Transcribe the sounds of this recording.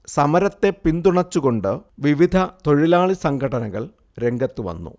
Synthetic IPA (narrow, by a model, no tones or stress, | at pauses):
sɐmɐɾɐt̪ːe̞pind̪uɳɐt͡ɕːuɣo̞ɳɖɨʋiʋid̪ʱɐt̪o̞ɻilaːɭisɐŋɡʰʱɐɽɐnɐɣɐ̰ɭ | ɾe̞ŋɡɐt̪ːɨʋɐ̰nːṵ